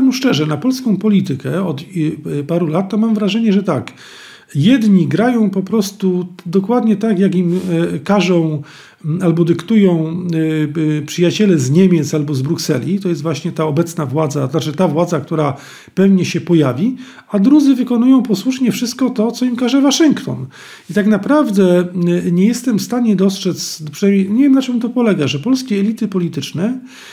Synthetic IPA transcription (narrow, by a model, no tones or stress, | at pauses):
ɛmuʂt͡ʂɛʐɛnapɔlskɔ̃w̃pɔlʲit̪ɘkɛɔt̪paɾulat̪ːɔmamvɾaʐɛɲɛʐɛt̪ak | jɛd̪ɲiɡɾajɔ̃w̃pɔpɾɔst̪ud̪ɔkwad̪ɲɛt̪akjakimkaʐɔ̃w̃ | albɔd̪ɘkt̪ujɔ̃w̃ | pʂɘjat͡ɕɛlɛzɲɛmʲjɛt̪salbɔzbɾuksɛ̰lʲit̪ɔjɛst̪vwaɕɲɛt̪aɔbɛt̪snavwad̪zanat͡ʂɘt̪avwad̪zakt̪uɾa | pɛvɲɛɕɛpɔjavʲi | ad̪ɾud̪zɘvɘkɔnujɔ̃w̃pɔswuʂɲɛfʂɘst̪̚kɔt̪ɔt̪sɔimkaʐɛvaʂɘŋkt̪ɔn | it̪aɡnapɾavd̪ɛɲɛjɛst̪ɛmfst̪aɲɛd̪ɔstʂɛt̪spʂnajmʲeɲɛvʲjɛmnat͡ʂɨmt̪ɔpɔlɛɡaʐɛpɔlskʲɛɛlʲit̪ɘpɔlʲit̪ɘt͡ʂnɛ